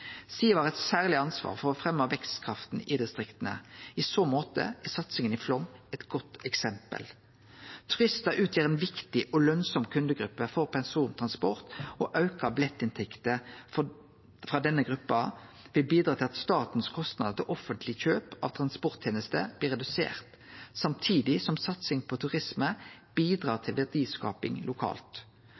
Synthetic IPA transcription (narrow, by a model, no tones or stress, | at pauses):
siːʋɑːʁɛt̪sæːʁlɪɑnsʋɑ̰ːʁfɔʁɔfʁɛmːɑʋɛkst̪kʰʁɑft̪n̩ɪd̪ɪst̪ʁɪkt̪ənə̰ɪsoːmoːt̪ə̰ʔɛsɑt̪sɪŋənɪflɔmɛt̪ɡ̥ɔt̪ːɛksɛmpə̰l | t̪ʰʁʏst̪ɑʔʉːt̪ʰjeːʁɛːnʋɪkt̪ɪʔɔlœnsɔmkʰʉnd̪əɡʁʉpːəfɔʁpʰɛnsuːnt̪ʰʁɑnspɔʁt̪ɔʔɑʉkɑblɛt̪ːɪnt̪ʰɛkt̪ə | fɾɑːd̪ɛnːəɡʁʉpːɑ | ʋɪlbiːd̪ɾɑːt̪ɪlɑt̪st̪ɑːt̪n̩skʰɔst̪nɑd̪ət̪ʰɪlʔɔfənt̪ʰlɪçøːpɑ̰ʋt̪ʰʁɑnspɔʁt̪ʰjeːnəst̪ə̰b̥liːʁɛd̪ʉsḛːʁt̪ | sɑmt̪ʰiːd̪ɪsɔmsɑt̪sɪŋpʰɔt̪ʰʉʁɪsməb̥iːd̪ʁɑːʁt̪ʰɪlʋɛd̪iːskɑ̰ːpɪ̰ŋlʊkʰɑ̰ːlt̪